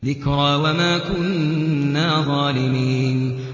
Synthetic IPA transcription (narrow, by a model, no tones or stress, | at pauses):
ðɪkɾɑːwamaːkʊnːaːðˤɑːlɪmiːn